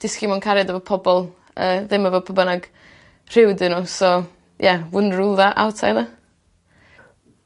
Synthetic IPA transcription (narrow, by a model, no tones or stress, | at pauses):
d̥ɪskimankʰaɾjadəvɔpʰɔbɔlˠ | əːðɪməvɛpʰəbənaɡ̥ | r̥ɪwdɨnɔsɔ | jʔɛwʊnrulˠðaʔa̰wtʰa̰ða